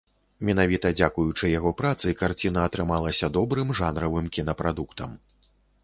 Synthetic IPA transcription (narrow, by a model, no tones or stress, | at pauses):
mʲɛnavʲit̪ɐd͡zʲakujut͡ʂɨjaɣɔpɾat̪sɨkart͡sʲinɐːt̪ɾɨmalˠɐsʲɐd̪ɔbɾɨmʐanɾɐvɨmkʲinɐpɾad̪ukt̪ɐm